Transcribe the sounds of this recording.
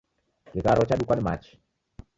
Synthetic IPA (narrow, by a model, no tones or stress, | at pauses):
kɪkaɾɔt͡ʃaɗukanma̰t͡ʃ